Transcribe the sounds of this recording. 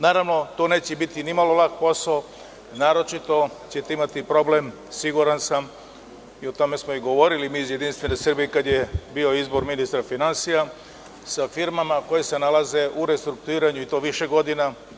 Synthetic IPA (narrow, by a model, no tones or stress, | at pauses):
naːɾaʋno̞t̪one̞ːt͡ɕebit̪inimalo̞lakpo̞sao | naːɾo̞t͡ʃit̪o̞t͡ɕet̪eimat̪ipɾo̞ble̞m | siɡuɾansam | io̞t̪o̞me̞smoiɡo̞ʋo̞ɾilimiːzjed̪inst̪ʋe̞nesrbijekad̪jebio̞izbo̞ɾminist̪ɾafinansija | safiɾmamako̞jese̞nalaze̞ʔuɾe̞st̪ɾuk̚t̪uiːɾaɲuit̪o̞ːʋiʃe̞ɡo̞d̪ina